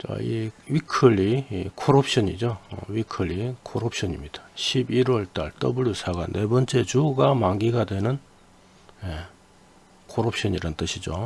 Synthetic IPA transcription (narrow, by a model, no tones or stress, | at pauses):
t͡ɕa̰ḭwikʰɯɭːikʰoɾop̚ʰɕʌɲid͡ʑowikʰɯɭːikʰoɾop̚ʰɕʌɲimɲid̥ḁɕʰibiɾwʌɭt͈a̰ɭt͈ʌbuɭjusʰaɡanːe̞bʌnt͡ɕ͈e̞t͡ɕuɡamaŋɡiɡadwe̞nɯn | je | kʰoɾop̚ɕ͈ʌniɾʌnt͈ɯɕʰid͡ʑo